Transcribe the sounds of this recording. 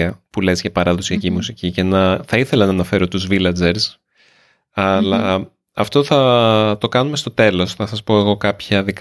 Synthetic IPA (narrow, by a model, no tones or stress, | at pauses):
ɐpulezʝɐpɐɾɐðosiɐcimusicice̞nɐθɐiθe̞lɐnɐːnɐfe̞ɾo̞t̪uzvilɐd͡ze̞ɾs | ɐlɐ | ɐft̪o̞θɐt̪o̞kɐnume̞st̪o̞t̪e̞lo̞snɐsɐspo̞e̞ɣo̞kɐpçɐðik